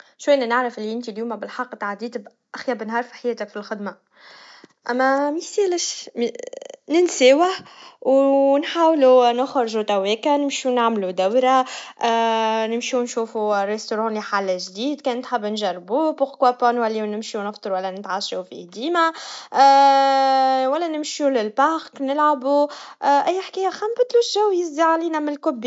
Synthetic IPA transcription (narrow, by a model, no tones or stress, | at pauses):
ʃwæjnænɪʕɾafʔɪlːiʔɪnt̪iljuːmæbɪlħɑqːt̪ʕad̪iːt̪b | ʔaxjæbənɦɑːɾˤfi̥ħajæːt̪ækfilxɪd̪ma | ʔæmːæmisiːləʃ | nɪnsæːwahwnħaːwlunʊxɾˤʒut̪æwɛːkanɪmʃinaʕmlud̪æwɾa | nɪmʃunʃuːfuɾˤest̪oɾˤɑːnliħalːʒd̪iːd̪kɛːnt̪ħabːnʒærˤːbubʊqkwæpɑnwælːiːwnɪmʃunəft̪ˤɨɾwælːænɪt̪ʕaʃufḭd̪iːma | wælːænɪmʃulɪlbaxknɪlʕabuʔʔæjːħkæːjaxæmbɪt̪luʃʒæwjɪzd̪iʕaliːnamɪnlkʊbːi